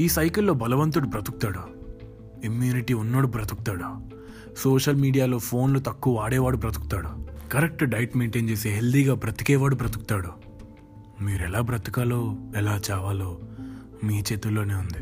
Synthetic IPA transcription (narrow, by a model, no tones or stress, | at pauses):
iːsɐjkilːo̞ːbɐlɐʋɐnt̪uɽubɾɐt̪uku̥t̪aːɽu | imjuːniʈiːunːoːɽubɾɐt̪ukut̪aːɽu | soːʃɐlmiːɖijaːlo̞ːpʰo̞ːnlut̪ɐkːuːaːɽɛːʋaːɽubɾɐt̪uku̥t̪aːɽukɐɾek̚ʈɖɐjʈmeːɳʈe̞ːnt͡ʃe̞ːseːɦeld̪iːɡaːbɾɐt̪ikɛːʋaːɽubɾɐt̪uku̥t̪aːɽu | miːɾɛlaːbɾɐt̪i̥kaːlo̞ːɛlaːt͡ʃaːʋaːlo̞ː | miːt͡ʃeːt̪ulːoːne̞ːund̪i